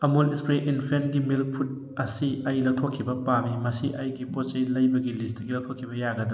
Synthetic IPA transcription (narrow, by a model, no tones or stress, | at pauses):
ɐmulispɾeʔinpʰenɡimilpʰut̚ | ɐsiɐjlɐw̚t̪ʰokʰːibɐpamimɐsiʔɐjɡipɔt͡ʃejlɐjbɐɡilistɡilɐwt̪ʰɔkʰːibɐjaɡɐd̪ɐ